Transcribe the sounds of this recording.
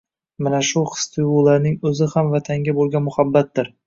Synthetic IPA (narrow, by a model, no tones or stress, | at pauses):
manaʃʊχɨ̥st̪ʰɪjulaɾnɪŋɵzɪhamvat̪ʰaŋɡʲabolˠɡʲanmʊhabːat̪̚d̪ɪɾ